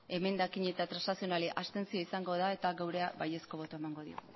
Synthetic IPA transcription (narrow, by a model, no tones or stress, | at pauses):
e̞me̞nd̪akiɲe̞t̪at̪ɾasnasio̞naliʔast̪e̞nsio̞isaŋɡo̞ðae̞t̪aɡawɾe̞abaje̞sko̞βo̞t̪oemaŋɡo̞ðḭo̰